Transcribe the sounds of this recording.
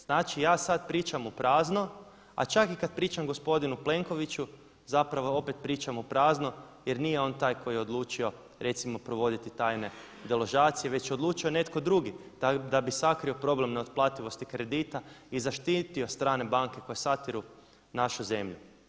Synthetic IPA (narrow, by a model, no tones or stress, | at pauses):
z̥naːt͡ʃijaːsad̪pɾiːt͡ʃamupɾaːzno̞ | a̰t͡ʃakikad̪̚pɾiːt͡ʃamɡo̞spo̞d̪inuple̞ŋko̞ʋit͡ʃu | zapɾaʋo̞o̞pe̞t̪̚pɾiːt͡ʃamupɾaːzno̞ | je̞ɾnijeo̞nt̪aːjkʰo̞jijeod̪lˠuːt͡ʃio̞ | ɾe̞t̪simo̞pɾo̞ʋo̞d̪it̪it̪aːjne̞ | d̪elo̞ʒaːt̪sije̞ʋe̞t͡ʃjeo̞d̪lˠuːt͡ʃio̞ne̞t̪ko̞d̪ɾuɡi | d̪abisakɾio̞pɾo̞ble̞mneot̪plˠat̪iʋo̞st̪ikɾe̞d̪iːt̪aizaʃt̪iːt̪io̞st̪ɾaːne̞baŋke̞ko̞jesat̪iɾu | naʃuze̞mʎu